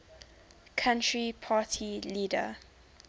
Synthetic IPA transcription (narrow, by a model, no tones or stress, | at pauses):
kʰãntɹipʰaːtʰiliːdə̰